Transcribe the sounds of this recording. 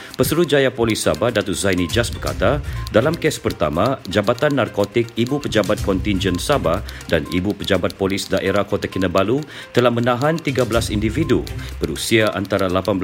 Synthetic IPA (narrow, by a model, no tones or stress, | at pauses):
pəsəɾut̪̚d͡ʒajapolisabahdat̪ʊzajnid͡ʒasbərka̰t̪adalamkɛspərt̪a̰mad͡ʒabat̪anːarkot̪ɪk̚ibupəd͡ʒabat̪̚kɔnt̪ind͡ʒɛnsabadanḭbupəd͡ʒabat̪̚polisdaʔeɾahkot̪akinəbalu | t̪əlahmənãɦant̪iɡabəlasindividṵb̥əɾusiaʔa̰nt̪aɾalapanbə